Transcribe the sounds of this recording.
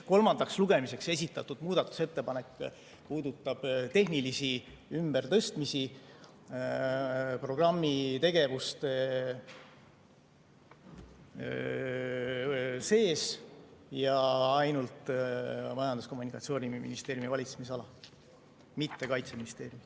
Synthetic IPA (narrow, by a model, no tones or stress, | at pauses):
ko̞lmɑnd̪̥ɑksluɡe̞mise̞kse̞s̬ʲit̪ːˑɑt̪ːˑud̪̥muːd̪̥ɑt̪ːˑu̥se̞t̪ːe̞pɑne̞kːˑ | puːd̪ut̪ːˑɑb̥t̪e̞ɦnilisi | ymbe̞rt̪ɤ̞st̪misi | pro̞ɡ̥rɑmːit̪e̞ɡ̥e̞vust̪e | se̞ːsjɑɑjnult̪ | mɑjɑnd̪usko̞mːunikːˑɑt̪sio̞ːnimḭnist̪e̞ːɾjumivɑlʲit̪semisɑlɑ | mit̪ːe̞kɑjt̪se̞minist̪e̞ːɾjumi